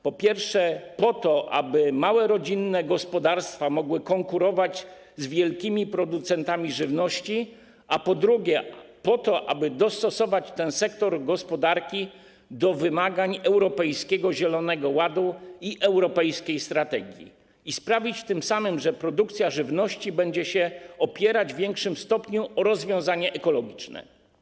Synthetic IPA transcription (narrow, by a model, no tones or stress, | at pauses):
pɔpʲjɛɾfʂɛpɔt̪ɔʔa̰bɘmawɛɾɔd͡ʑinːɛɡɔspɔd̪aɾst̪famɔɡwɘkɔŋkuɾɔvad͡ʑ | zvʲjɛlkʲimʲipɾɔd̪ut̪sɛnt̪amʲiʐɘvnɔɕt͡ɕi | apɔd̪ɾuɡʲjɛpɔt̪ɔʔa̰bɘd̪ɔst̪ɔsɔvat͡ɕt̪ɛ̃nsɛkt̪ɔɾɡɔspɔd̪aɾkʲi | d̪ɔvɘmaɡaɲɛwɾɔpɛjskʲɛɡɔʑɛlɔnɛɡɔwad̪uiʔɛwɾɔpɛjskʲejst̪ɾat̪ɛɡʲjḭ | ispɾavʲit͡ɕt̪ɘmsamɘmʐɛpɾɔd̪ukt̪sʲjaʐɘvnɔɕt͡ɕibɛɲd͡ʑɛɕɛɔpʲjɛɾad͡ʑvʲjɛŋkʂɘmst̪ɔpɲuʔɔɾɔzvʲjɔ̃w̃zaɲɛʔɛkɔlɔɡʲit͡ʂnɛ̰